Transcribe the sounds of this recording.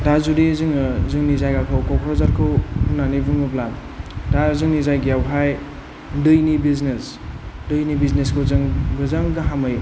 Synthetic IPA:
dazudizɯŋzɯŋnizajɡakʰawkɔkʰɾɔzaɾkʰɯwhunːanibɯŋɯplan | dazɯŋnizajɡijawɦaj | dɯjnibiznes | dɯjnibizneskʰɯwzɯŋbɯzaŋɡɯɦamɯj

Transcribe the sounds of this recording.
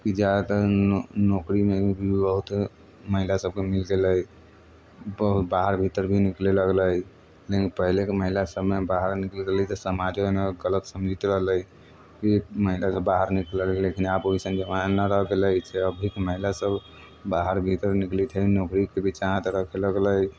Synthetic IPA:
kid͡ʒat̪ənokɾimebʱibəɦut̪ | məɦilasəb̚kemilɡeləj | bəɦut̪baɦəɾbʱit̪əɾbʱinikleləɡləj | lekipəɦilekeməɦilasəbmebaɦəɾniklɡəlit̪ɔsəmad͡ʒoneɡələt̪səmd͡ʒʱit̪ɾəɦləj | kiməɦilasəbːaɦəɾniklellekinaboisənd͡ʒəmanəɾəɦɡeləit͡ʃʰɛəbʱikeməɦilasəb | baɦəɾbʱit̪əɾniklit̪ʰənokɾikebʱit͡ʃaɦãt̪ɾəkʰeləɡləj

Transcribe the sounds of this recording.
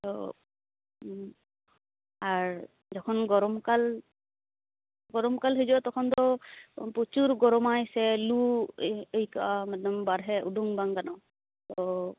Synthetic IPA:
tɔ̰ | aɹ | zɔkʰɔnɡɔɹɔmkal | ɡɔɹɔmkalɦɔzɔatɔkʰɔntɔput͡ʃuɹɡɔɹɔmajsɛlu | ejkamɛdɔmbaɾɦɛʔuduŋbaŋɡanɔ | tɔ

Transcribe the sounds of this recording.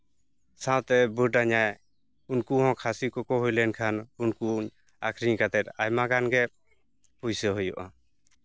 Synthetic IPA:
sãwt̪ɛbəɖaɲaj | unkuɦɔ̃kʰasikɔkɔɦujlɛnkʰanunkuɲ | akʰɾiɲkat̪ɛt̪̚ajmaɡanɡɛ | pujsɛɦɔjɔʔa

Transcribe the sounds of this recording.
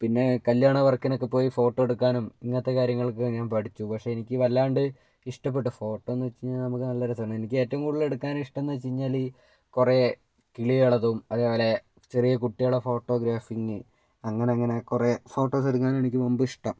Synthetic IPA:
pinːe̞kɐljaːɳɐʋɐrkːinokːepːo̞ːjifo̞ːʈːoeɽukːaːnumiŋːɐt̪ːe̞kaːɾjɐŋːɐɭkɨɲaːnpɐʈʰit͡ɕːupɐkʂe̞ːnikʲːɨʋɐlːaːɳɖɨ | iʂʈɐp̬ːe̞ʈ̬ːufo̞ːʈːoenːɨʋɐt͡ɕːiɲːaːlnɐmukːɨnɐlːɐɾɐsɐɐɳɨenikʲːɨeːtːɐʋumkuːɽile̞ɽukːaːnmiʂʈɐenːuʋɐt͡ɕːiɲːaːliː | kure | kiɭijeɭɐðumɐðeːpoːle̞ | t͡ɕe̞rijɐkuʈːijoɭːɐfo̞ːʈːo̞ːɡɾaːfiŋɨ | ɐŋːɐne̞ɐŋːɐne̞kurefo̞ːʈːo̞ːsɐɽukːaːnumenikʲːɨʋombɨiʂʈɐm

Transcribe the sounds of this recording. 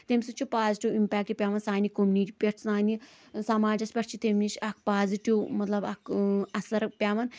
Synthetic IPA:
t̪emʲsut͡ʃʰipaːziʈiwimpʲɛːk̚ʈipʲaːʋɐnsaːnikomuniʈʲipʲeɾsnaːni | sɐmaːd͡ʒɐspʲɐɾt͡ʃʰit̪emnit͡ʃʰɐk̚paːziʈiwmɐt̪lɐbɐkʰɐsɐɾpʲaːʋɐn

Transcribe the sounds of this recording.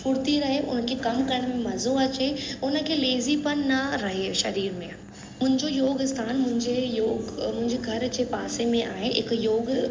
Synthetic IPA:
pʰʊɾt̪iɾɐɦeʔʊ̰nkʰekɐmkɐɾəɽ̃mẽmɐzõɐt͡ɕeʊnə̆kʰeleːzipɐɾnɐɾɐɦeʃɐɾiːɾmẽ | mʊ̃ɦɪ̃ɲd͡ʑojoːɡɪst̪ʰaːnmʊ̃ɦɪ̃ɲd͡ʑejoːɡmʊ̃ɦɪ̃ɲd͡ʑeɡʱɐɾt͡ɕepaːsemẽʔa̰ːɦẽɪ̰kjoːɡ

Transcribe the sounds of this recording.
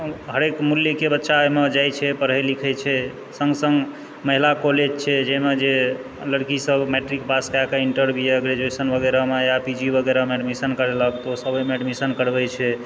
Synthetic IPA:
ɦəɾekmuljəkebətːʃamed͡ʒajt͡ʃʰɛpəɾɦəjlikʰɛt͡ʃʰɛ | səŋɡsəŋɡ | məɦilakoled͡ʒt͡ʃʰɛd͡ʒɛmed͡ʒe | ləɽkisəbmeʈɾikbaskakaiɳʈəɾbʱiəɡɾed͡ʒesənbʱəɡeɾamejapid͡ʒibʱəɡɛɾameəɖmisənkəɾɛləkt̪osəbəjmeəɖmisənkəɾbɛt͡ʃʰɛ

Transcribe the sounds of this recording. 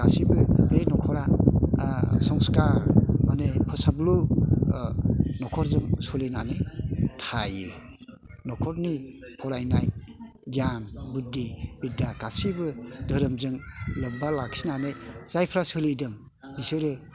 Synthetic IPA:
kasibɯɾenɔkʰɔɾa | sɔŋskaɾmanepʰɯsablu | nɔkʰɔɾzɯŋsulinanetʰajɯ | nɔkʰɔɾnipʰɔɾajnaj | ɡianbudːibidakasibɯdəɾɯmzɯŋlɯbalak̚sinanejz̥ajpʰɾasɯlidɯŋ | bisɯɾe

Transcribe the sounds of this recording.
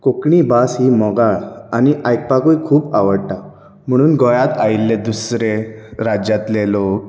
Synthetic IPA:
kokɳiːbasɦiːmɔɡaɭaniʔajk̚pakuikʰuːpaʋəɽʈa | m̤əɽ̃uːnɡɔjat̪ailːed̪usɾeɾad͡ʑjat̪lelok̚

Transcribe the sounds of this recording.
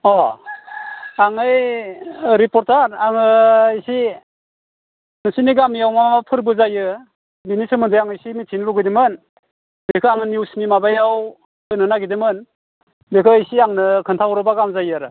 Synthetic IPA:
ɔ | aŋɯj | ɾipɔɾtaɾaŋɯisi | nɯsiniɡamijawmamamapʰɯɾbɯzajɯ | binisɯmɯndɯjaŋɯjsimitʰinluɡɯdimɯn | bekʰɯaŋɯniwsnimabajaw | ɯnɯnaɡidɯmɯn | bekʰɯisiaŋnɯkʰɯntʰawɾɯbaɡamzajɯaɾɯ

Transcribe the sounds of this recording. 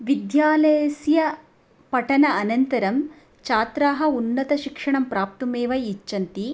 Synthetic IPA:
ʋid̪jaːlɐjɐsjɐ | pɐʈɐnɐɐnɐnt̪ɐɾɐm | t͡ʃaːt̪ɾaːɦɐ̆unːɐt̪ɐʃikʂɐɳɐmpɾaːp̚t̪umeːʋɐjit͡ʃːɐnt̪i

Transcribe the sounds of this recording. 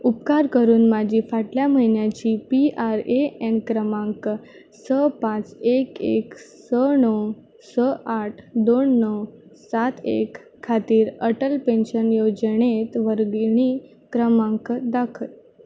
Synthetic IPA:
upkaɾkəɾuːnmad͡ʑʱiːfaʈljam̤əɦinjat͡ɕiːpiaɾeenkɾəmãŋk | səpãt͡sekeksənəw | səaʈʰd̪onːəwsat̪ʰḛkʰː | at̪iːɾəʈəlpẽnɕənjod͡ʑɳet̪ʋəɾɡɳ̃iː | kɾəmãŋkd̪akʰəl

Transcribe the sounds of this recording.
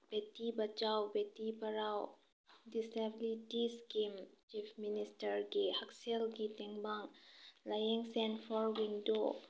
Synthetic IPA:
b̥etibat͡ʃawbetibɐɾaw | disɛbilitiskimt͡ʃipʰministəɾɡihɐksialɡitɛŋbaŋlajeŋsɛnpʰɔɾwindo

